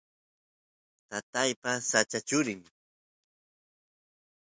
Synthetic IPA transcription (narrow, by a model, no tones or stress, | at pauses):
t̪at̪ajpasat͡ʃat͡ʃʊɾɪm